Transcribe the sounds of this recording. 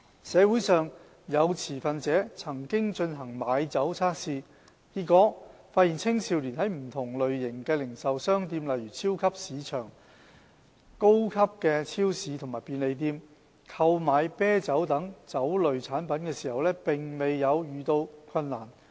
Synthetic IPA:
sɛː˨˧wuː˨˥jsœː˨ŋ | jɐ˨˧wt͡sʰiː˨˩fɐ˨nt͡sɛː˨˥t͡sʰɐ˨˩ŋkɪ˥ŋt͡ʃɵ˧nɦɐ˨˩ŋmaː˨˧jt͡sɐ˨˥wt͡sʰaː˥k̚siː˧ | kiː˧t̚kɔː˨˥faː˧t̚jiː˨˩nt͡sʰɪ˥ŋsiː˨˧wliː˨˩nɦɐ˨˥jm̩˨˩t̪ʰʊ˨˩ŋlɵ˨ɥjɪ˨˩ŋkɛː˧lɪ˨˩ŋsɐ˨wsœː˥ŋt̪iː˧mlɐ˨jɥyː˨˩t͡sʰiː˥wkʰɐ˥p̚siː˨˧t͡ʃʰœː˨˩ŋ | ko˥wkʰɐ˥p̚kɛː˧t͡sʰiː˥wsiː˨˧t̪ʰʊ˨ŋmaː˨˩piː˨˧nle˨˧jt̪̬iː˧m | kʰɐ˧wmaː˨˧jpɛː˥t͡sɐ˨˥wt̪ɐ˨˥ŋt͡sɐ˨˥wlɵ˨ɥt͡sʰaː˨˥npɐ˨˥nkɛː˧siː˨˩hɐ˨wlɛː˥pɪ˨ŋme˨jːɐ˨˧wjyː˨t̪o˧wkʰɐ˧nːaː˨˩n

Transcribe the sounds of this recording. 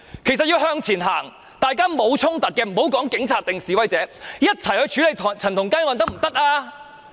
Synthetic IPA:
kʰjsɐ˨t̚jiː˧wɦœː˧ŋt͡sʰiː˨˩nɦaː˨˩ŋ | t̪aː˨jkaː˥mo˨˧wt͡sʰʊ˥ŋt̪ɐ˨t̚kːɛː˧m̩˨˩ho˨˥wkɔː˨˥ŋkɪ˨˥ŋt͡sʰaː˧t̚t̪ɪ˨ŋsiː˨˩wɐ˧jt͡sɛː˨˥jɐ˥t̚t͡sʰɐ˨˩jhɵ˧t͡ʃʰyː˨˥le˨j̪ʰt͡sʰɐ˨˩nt̪ʰʊ˨˩ŋkaː˥ŋwɐ˨nt̪ɐ˥k̚m̩˨˩t̪ɐ˥k̚ʔaː˧

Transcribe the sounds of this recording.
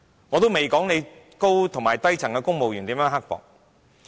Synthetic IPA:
ŋɔː˨˧t̪o˥wme˨jkɔː˨˥ŋne˨˧j | ko˥wt̪ʰʊ˨˩ŋmaː˨˩jt̪ɐ˥jt͡sʰɐ˨˩ŋkɛː˧kʊ˥ŋmo˨wjyː˨˩nt̪i˨˥mjœː˨˥ŋɦɐ˥k̚fɔ̰ː˨˩k̚

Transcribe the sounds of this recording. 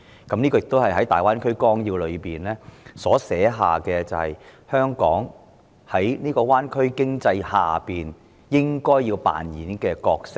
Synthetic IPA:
kɐ˨˥mniː˥kɔː˧jɪ˨k̚t̪o˥hɐ˨jɦɐ˨˥jt̪aː˨jwaː˥nkʰɵ˥ɥkɔː˥ŋjiː˧wlɵ˨˧ɥpiː˨˩nlɛː˥sɔː˨˥sɛː˨˥ɦa̰ː˨kɛː˧t͡sɐ˨whɐ̰˨jhœː˥ŋkɔː˨˥ŋ | hɐ˨˥jniː˥kɔː˧waː˥nkʰɵ˥ɥkɪ˥ŋt͡sɐ˧jha̰ː˨piː˨n | jɪ˥ŋkɔː˥jːiː˧wpa̰ː˨njiː˨˥nkɛː˧kɔː˧k̚sɪ˥k̚

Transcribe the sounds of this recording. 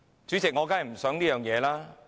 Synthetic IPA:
t͡ʃyː˨˥t͡sɪ˨k̚ŋɔː˨˧kaː˥hɐ˨˩m̩˨˩sœː˨˥ŋniː˥jœː˨˩ŋjɛː˨˧laː˥

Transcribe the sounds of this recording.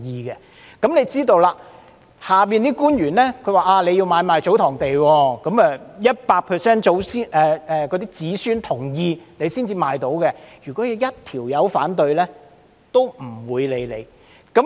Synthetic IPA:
jiː˨˧kɛ˧ | kɐ˨˥mne˨˧jt͡siː˥t̪o˧wlaː˧ | haː˨˩p̬iː˨nt̪iː˥kuː˥njyː˨˩nlɛː˥kʰɵ˨˧ɥwaː˨˩ʔaː˧le˨˧jiː˧wmaː˨˧jmaː˨˧jt͡so˨˥wt̪ʰɔː˨˩ŋt̪e˨jwɔː˧kɐ˨˥mɛ˧jɐ˥t̚paː˧k̚pʰɛː˨˩sɛː˥nt͡so˨˥wsiː˥ʔɛː˨˧ɛː˨˧kɔː˨˧t̪iː˥t͡siː˨˥syː˥nt̪ʰʊ˨˩ŋjiː˧ne˨˧jsiː˥nt͡siː˧maː˨˧jt̪o˨˥wkɛ˧jyː˨˩kɔː˨˥jɐ˨˧wjɐ˥t̚t̪ʰiː˨˩wjɐ˨˧wfaː˨˥nt̪ɵ˧ɥlɛː˥ | t̪o˥wm̩˨˩wuː˨˧jle˨˧jlḛ˨˧j | kɐ˨˥m

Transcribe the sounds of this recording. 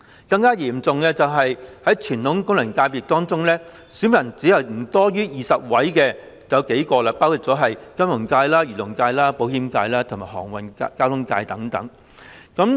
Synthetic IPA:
kɐ˧ŋkaː˥jiː˨˩mt͡sʊ˨ŋlɛː˧t͡sɐ˨wɦɐ˨jhɐ˨˥jt͡ʃʰyː˨˩nt̪ʰʊ˨˥ŋkʊ˥ŋlɐ˨˩ŋkaː˧jpiː˨k̚t̪ɔː˥ŋt͡sʊ˥ŋlɛː˥ | syː˨˥nmɐ˨˩nt͡siː˨˥hɐ˨˩wm̩˨˩t̪ɔː˥jyː˥jiː˨sɐ˨p̚wɐ˨˥jkɛː˧ | jɐ˨˧wke˨˥jkɔː˧lɐ˧paː˥wkʰʊ˨˩tt͡sɔː˨˥ɦɐ˨jkɐ˥mjʊ˨˩ŋkaː˧jlaː˥jyː˨˩lʊ˨˩ŋkaː˧jlaː˥po˨˥whiː˨˧˥mkaː˧jlaː˥t̪ʰʊ˨˩ŋmaː˨˩jɦɔ̰ː˨˩ŋwɐ˨n˧kaː˥wt̪ʰʊ˥ŋkaː˧jt̪ɐ˨˥ŋt̪ɐ̰˨˥ŋ | kɐ˨˥m

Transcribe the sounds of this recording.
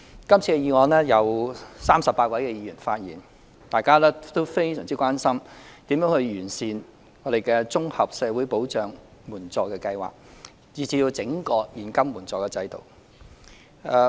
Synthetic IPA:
kɐ˥mt͡sʰiː˧kɛ˧jiː˨˧ŋɔː˨˧nlɛː˥jɐ˨˧wsaː˥msɐ˨pːaː˧t̚wɐ˨˥jkɛ˧jiː˨˧jyː˨˩nfaː˧t̚jḭː˨n | t̪aː˨jkaː˥lɛː˥t̪o˥wfe˥jsœː˨˩ŋt͡siː˥kʷwaː˥nsɐ˥mt̪i˨˥mjœː˨˥ŋhɵ˧ɥɥyː˨˩nsiː˨˧n | ŋɔː˨˧ɾe˨˩jkɛː˧t͡sʊ˥ŋhɐ˨p̚sɛː˨˧wuː˨˥jpo˨˥wt͡ʃœː˨ŋmuː˨˩nt͡sɔː˨kːɛː˧kɐ˧jwa̰ː˨k̚ | jiː˨˩t͡siː˧jiː˧t͡sɪ˨˥ŋkɔː˧jiː˨˩nkɐ˥mmuː˨˩nt͡sɔː˨˧kɛː˧t͡sɐ˧jt̪o̰˨w | ɛː˨˧

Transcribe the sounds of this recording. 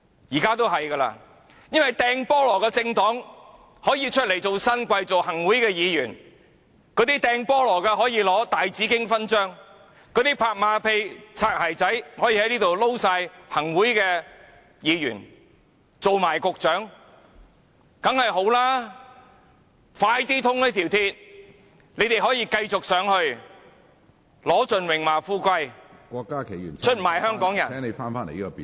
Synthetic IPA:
jiː˨˩kaː˥t̪̬o˥wɦɐ˨jkɐː˧la̰ː˧ | jɐ˥nwɐ˨jt̪ɛː˧ŋpɔː˥lɔː˨˩kɛː˧t͡sɪ˧ŋt̪ɔː˨˥ŋ | hɔː˨˥jiː˧t͡ʃʰɵ˥t̚le˨˩jt͡so˨wsɐ˥nkʷɐ˧jt͡so˨whɐ˨˩ŋwuː˨˥jkɛː˧jiː˨˧jyː˨˩n | kɔː˨˧t̪iː˥t̪ɛː˧ŋpɔː˥lɔː˨˩kɛː˧ɦɔː˨˥jiː˨˧lɔː˨˥t̪aː˨jt͡siː˨˥kɪ˥ŋfɐ˥nt͡ʃœː˥ŋ | kɔː˨˧t̪iː˥pʰaː˧k̚maː˨˧pʰe˧jt͡sʰaː˧k̚haː˨˩jt͡sɐ˨˥jhɔː˨˥jiː˧hɐ˨˥jniː˥t̪o˨wlo˥wsaː˧jhɐ˨˩ŋwuː˨˥jkɛː˧ | jiː˨˧jyː˨˩n | t͡so˨wmaː˨˩jkʊ˧k̚t͡ʃœː˨˥ŋ | kɐ˨˥ŋhɐ˨jɦo˨˥wlaː˥ | faː˧jt̪iː˥t̪ʰʊ˥ŋlɛ˥t̪ʰiː˨˩wt̪ʰiː˧t̚ | nle˨˧jt̪e˨jɦɔː˨˥jiː˧kɐ˧jt͡sʊ˨k̚sœː˨˧˥ŋhɵ˧ɥ | lɔː˨˥t͡sɵ˨nwɪ˨˩ŋmaː˨˩fuː˧kʷɐ˧jkʷɔː˧kːaː˥kʰe˨˩jy̰˨˩nt͡ʃʰɵ˥t̚maː˨˩jhœː˥ŋkɔː˨˥ŋjɐ˨˩n˨˧˥ŋne˨˧jfaː˥nfaː˥ne˨˩jiː˥kɔ˧pi˨

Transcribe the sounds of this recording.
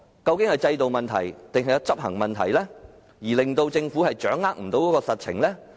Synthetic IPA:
kɐ˧wkɪ˨˥ŋhɐ˨jt͡sɐ˧jt̪o˨wmɐ˨nt̪ʰɐ˨˩jt̪ɪ˨ŋɦɐ˨jɐ˧wt͡sɐ˥p̚hɐ̰˨˩ŋmɐ˨nt̪ʰɐ̰˨˩jlɛː˥ | jiː˨˩lɪ˨ŋt̪o˧wt͡sɪ˧ŋfu˨˥hɐ˨jt͡ʃœː˨˥ŋːaː˥k̚m̩˨˩t̪o˨˧wkɔː˨˥kɔː˧sɐ˨t̚t͡sʰɪ̰˨˩ŋlɛː˥

